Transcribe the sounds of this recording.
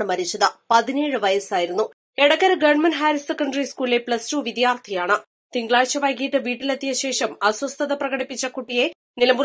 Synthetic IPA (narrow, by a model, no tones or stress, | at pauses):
ɳɨmɐɾiɕɐðɐpɐðineːɻɨʋɐjɐsaːjiɾun̪ːu | eɽɐkːɐɾɨɡɐɳmɐnɦaːɾisekːɐɳɖɐriskuːlilepɭɐstuːʋid̪jaːrt̪ʰijaːɳɨ | t̪iŋɡɭaːɕɐʋɐjkijɐʈːɨʋiːʈːilet̪ːijɐɕe̞ːʂɐmɐswɐst̪ʰɐðɐprɐɣɐɽipːit͡ɕːɐkuʈːije̞ | nilɐmbu